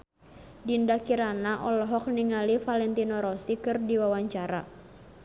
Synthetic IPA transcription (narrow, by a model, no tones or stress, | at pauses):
dindakiɾanaʔɔlɔɦɔk̚niŋalifalɛnt̪inɔɾɔsikɨrdiwawaɲt͡ʃaɾa̰